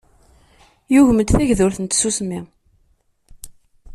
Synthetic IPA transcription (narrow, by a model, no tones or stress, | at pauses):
jʊʝməd̪θæʝðʊɾθənt̪susmi